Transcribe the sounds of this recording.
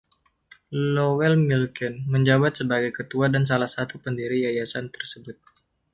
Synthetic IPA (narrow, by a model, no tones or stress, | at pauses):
lowɛlmilkɛnməɲd͡ʒabat̪̚səbaɡajkət̪uadans̬alahsat̪upəndiɾijajasant̪ə̥rsəbʊt̪̚